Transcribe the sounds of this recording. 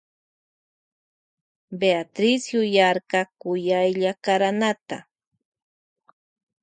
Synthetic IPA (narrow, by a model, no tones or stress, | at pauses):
beat̪ɾɪsjʊjaɾkakʊjajʎakaɾanat̪a̰